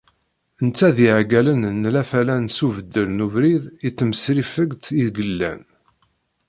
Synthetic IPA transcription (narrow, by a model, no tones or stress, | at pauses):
ənt͡sːæðiʕɡælənnːlæfælænsuvəd̪ːəlnuvɾiðit͡sːəməsɾifəɡt̪iðɡəlːæ̰n